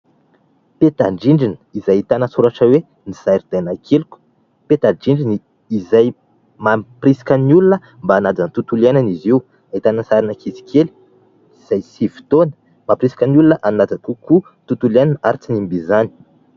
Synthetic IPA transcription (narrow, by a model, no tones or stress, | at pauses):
pet̪aɳɖ͡ʐiɳɖ͡ʐinə̥izajit̪anəsuɾaʈ͡ʂəwe | nizajɾid̪̥ajnakʰeluku̥ | pet̪aɖ͡ʐiɳɖ͡ʐiniː | zaj | mamprisi̥kʲənulinə | mbaːnad͡zant̪ut̪uliananiziw | at̪anənsaɾinəkʰizi̥kʰeli̥ | iz̥ajsivi̥t̪onə̥ | mapɾisi̥kʲənulinəʔanad͡zakuku | t̪ut̪uliananaɾit͡sinimbizani̥